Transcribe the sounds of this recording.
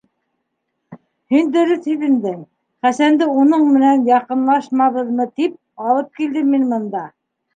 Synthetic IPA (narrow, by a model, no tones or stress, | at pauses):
hind̪ɵ̆ɾɵθhiðɘ̆md̪ɘŋ | χæsænd̪ɘunɤɴmɘ̆nænjɑqɤ̆nlˠɑʃmɑβɤ̆ðmɤt̪ip̚ | ɑlˠɤp̚kild̪ɘmːinmɤ̆nd̪ɑ